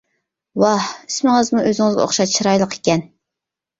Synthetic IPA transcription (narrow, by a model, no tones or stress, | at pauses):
wɑhismɪŋɨzmuʔøzɪŋɨzɡʲɛ̰o̰χʃɑt̪t͡ʃʰiɾɑjlˠəqʰe̥kʲɛn